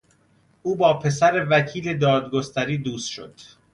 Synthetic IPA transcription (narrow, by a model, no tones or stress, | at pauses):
ʔuːbɒːpʰe̞sæɾe̞væcʰiːle̞d̪ɒːd̪ɡo̞st̪ʰæɾiːd̪uːst̪ʃo̞̰d̪̥